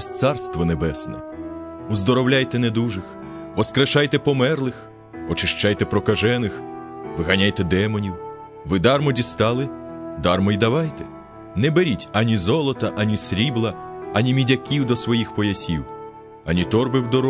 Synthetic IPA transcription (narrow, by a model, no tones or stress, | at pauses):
st̪sɑrst̪ʋɔnebɛsnɛ̰ | uzd̪ɔɾɔwlʲajt̪ɛned̪uʒɪx | ʋɔskɾɐʃɑjt̪ɛpɔmɛrlˠɪx | ɔt͡ʃɪʃt͡ʃɑjt̪ɛpɾɔkɐʒɛnɪx | ʋɪɦɐnʲajt̪ɛd̪ɛmɔnʲiw | ʋɪd̪ɑrmɔdʲist̪ɑlˠɪd̪ɑrmɔjd̪ɐʋɑjt̪ɛ | nɛbeɾʲitʲɐnʲizɔlˠɔt̪ɐʔɐnʲisʲɾʲiblˠɐɐnʲimʲidʲɐkʲiwd̪ɔsʋɔjixpɔjɐsʲiw | ɐnʲit̪ɔrbɪwd̪ɔɾɔ